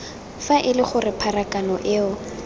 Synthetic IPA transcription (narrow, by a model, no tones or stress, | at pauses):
faʔɪlɪχʊrɪpʰarakʼanɔʔɪʊ